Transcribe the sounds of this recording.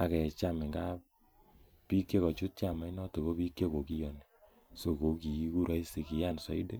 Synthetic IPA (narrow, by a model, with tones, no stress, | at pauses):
a˨kɛ˨t͡ʃa˦me˨ŋɡa˦p | pi˦kːe˦kɔ˨t͡ʃu˦t̚t͡ʃa˨ma˨˦i˦nɔ˦to˨ko˦pi˦kje˦ko˨ki˦jɔ˨ne˨ | so˨ko˨˦ki˨i˦ku˦ɾa˦i˦si˨ki˨ja˦nsɔ˨˦i˦de˦